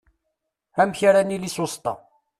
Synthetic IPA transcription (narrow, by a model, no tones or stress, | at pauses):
æmçaɾanilisost̪ɑ̰